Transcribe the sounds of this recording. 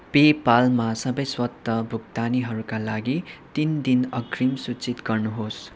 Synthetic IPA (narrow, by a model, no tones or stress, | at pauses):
pepalmasʌbʌjswʌt̪ːʌbʱukt̪aniɦʌɾukalaɡit̪ind̪inʌɡrimsut͡sit̪ɡʌrnuɦos